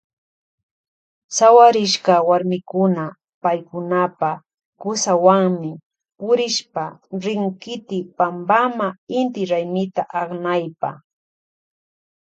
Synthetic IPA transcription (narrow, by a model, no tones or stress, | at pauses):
sawaɾɪʃkawaɾmɪkʊna | pajkʊnapa | kʊsawaŋmɪ | pʊɾɪʃpaɾɪŋkɪt̪ɪpambamaɪnt̪ɪɾajmɪt̪aʔaχnajpa̰